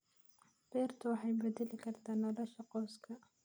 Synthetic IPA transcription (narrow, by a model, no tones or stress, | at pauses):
b̥ɛːrt̪ʰɐwɑħɑjbɛd̪ɛlɪkʰɐrt̪ʰaːnːɔlɔʃɐqɔwskʰɐ